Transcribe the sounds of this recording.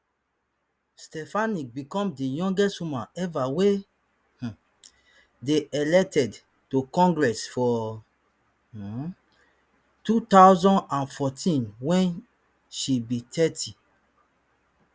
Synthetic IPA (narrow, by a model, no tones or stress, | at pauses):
stɛfanik̚bikɔ̃mdijɔ̃ŋɡɛstwumãnɛvawe | h̩ | deʔɛlɛk̚tɛd | tokɔ̃ŋɡɹɛsfɔ | tutawzɔ̃ndãnfɔtʰĩnwɛ̃n | ʃibitʰɛtʰi